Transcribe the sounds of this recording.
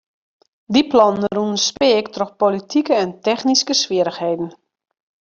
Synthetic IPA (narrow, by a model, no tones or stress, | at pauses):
diplɔnnruənspɪːktroxpolitʰikəɛntɛxniskəsʋiəɾəxhejdn̩